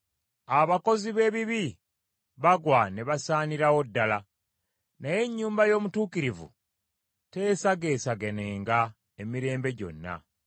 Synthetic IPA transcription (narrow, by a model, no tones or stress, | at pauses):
aβako̞ziβe̞ːβiβi | βaɡwaneβasaːniɾawo̞dːala | naje̞ɲːuːmbajo̞ːmutuːkiɾivṵ | te̞ːsaɡe̞ːsaɡe̞ne̞ːŋɡa | emiɾe̞ːmbe̞ɟo̞̰nːa̰